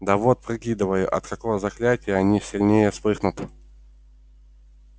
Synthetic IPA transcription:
d̪ɐvo̞t̪̚pɾɨkʲid̪əvəjʊʔɐ̰t̪kɐkovəzɐklʲætʲɪjəɐnʲisʲɪlʲnʲejəspɨxnʊt̪

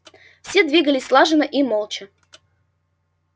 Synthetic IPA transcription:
fsʲed̪vʲiɡəlʲɪsʲslˠaʐɨnəʔimolˠt͡ɕə

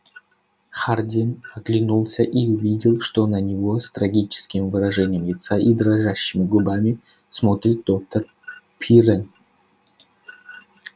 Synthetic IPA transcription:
xardʲinɐklʲɪnulˠsʲəʔiʊvʲidʲɪlˠʂt̪onənʲɪvost̪ɾɐɡʲit͡ɕɪ̥skʲɪmvɨɾɐʐɛnʲɪjəmlʲɪt̪saʔid̪ɾɐʐaɕːɪmʲɪɡʊbamʲɪ | smo̞t̪ɾʲɪt̪̚d̪o̞k̚t̪ər | pʲʰiɾɛn

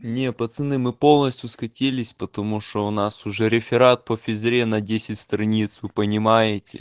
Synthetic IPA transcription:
nʲepət̪sɨnɨmɨpo̞lˠnəsʲt̪ʲjʊskɐtʲelʲɪsʲpət̪ɐmuʂt̪oʊnasʊʐɛɾʲɪfʲɪɾat̪̚pəfʲɪzɾʲenɐdʲesʲɪtʲst̪ɾɐnʲit̪svɨpənʲɪmajɪtʲɪ̰

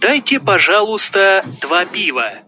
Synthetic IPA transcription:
d̪̥ajtʲɪpɐʐalˠʊst̪əd̪̥vapʲivə

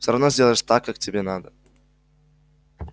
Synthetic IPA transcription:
fsʲoɾɐvnozʲdʲelˠəɪʂt̪akːaktʲɪbʲenad̪ə

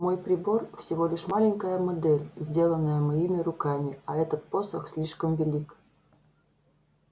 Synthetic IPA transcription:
mojprʲiborfsʲivolʲɪʃmɑlʲinʲkəjəmod̪elʲzʲdʲelˠənəjəməjimʲirukɑmʲiɑɛt̪ət̪̚posəksʲlʲiʂkəmvʲelʲik

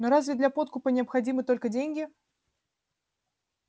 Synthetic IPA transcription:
nɔɾazʲvʲɛd̪lʲɐpɔt̪̚kupɐnʲɪɐpxad͡zʲimɨt̪ɔlʲkɐd͡zʲenʲɡʲi

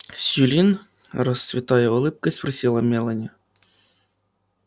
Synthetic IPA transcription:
sʲjulʲin | rɐst̪svʲɪt̪ɑjɛɔlˠɪp̚kɐispɾɐsʲilˠɐmʲɛlˠɐnʲi

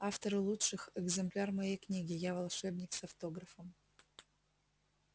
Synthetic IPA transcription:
aft̪əɾɨlˠuʂɨxɛɡzɨmplʲarmɐjejknʲiɡʲɪjavɐlˠʂɛbnʲɪksɐft̪o̞ɡɾəfəm

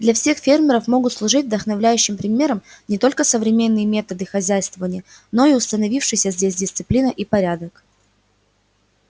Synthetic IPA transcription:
d̪lʲɐfsʲe̞xfʲermʲɪɾəfmo̞ɡʊt̪slˠʊʐɨtʲvd̪əxnɐvlʲæjʉɕːɪmpɾʲɪmʲe̞ɾəmnʲɪt̪o̞lʲkəsəvɾʲɪmʲe̞nːɨjəmʲe̞t̪əd̪ɨxɐzʲæjst̪vəvənʲɪjə | no̞iʊst̪ənɐvʲifʂɨjsʲəzʲdʲesʲdʲɪst̪sɨplʲinəʔipɐɾʲad̪ək

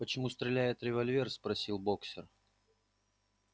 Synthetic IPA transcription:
pət͡ɕɪmust̪ɾʲɪlʲæjɪt̪ɾʲɪvɐlʲvʲe̞rspɾɐsʲilˠboksʲɪr

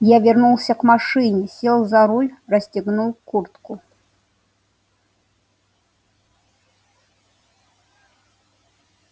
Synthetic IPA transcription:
javʲɛrnulˠsʲɐkmaʂɨnʲɛsʲɛlˠzɐɾulʲrɐsʲt͡sʲiɣnulkurt̪ku

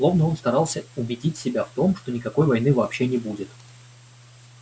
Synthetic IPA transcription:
lˠo̞vnəo̞nst̪ɐɾɑlˠsʲəʊbʲɪdʲitʲsʲɪbʲaft̪o̞mʂt̪o̞nʲɪkɐko̞jvɐjnɨvɐːpɕːe̞nʲɪbudʲɪt̪

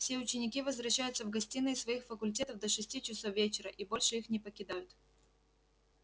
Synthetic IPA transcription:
fsʲe̞ʊt͡ɕɪnʲɪkʲivəzvɾɐɕːæjʊt̪səvɡɐsʲtʲinɨɪsvɐixfəkʊlʲt̬ʲet̪əvd̪əʂɨsʲtʲit͡ɕɪsofvʲet͡ɕɪɾəʔibo̞lʲʂɨixnʲɪpəkʲɪd̪ajʊt̪

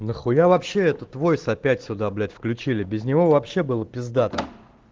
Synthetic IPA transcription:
nəxʊjavɐpɕːeɛt̪ət̪ːvo̞jsɐpʲætʲsʲʊd̪ablʲætʲfklʲʉt͡ɕilʲɪbʲɪzʲnʲɪvo̞vɐpɕːe̞bɨlˠəpʲɪzd̪at̪ə

